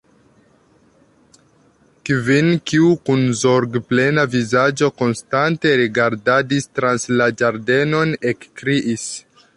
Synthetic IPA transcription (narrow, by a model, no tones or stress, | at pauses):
kvinkiukunzoɾɡple̞navizad͡ʒo̞ko̞nstante̞ɾiɡaɾdadistɾanslad͡ʒaɾde̞no̞ne̞kːɾiʔis